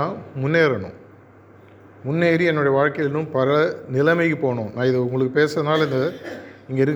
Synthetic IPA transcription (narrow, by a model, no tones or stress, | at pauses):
aːmʊnːeːɾɐɳʊ̰̃ | mʊnːeːɾiɛnːʊɽɐjɐʋaːɻkɐjɪlnɯmpɐɾɐnɪlɐmɐɪkːɯpoːɳõːnãːɪðɐʊŋɡɐɭɯkːɯpeːsɐɐnaːlɪnd̪ɐɪŋɡɐɪɾɯkː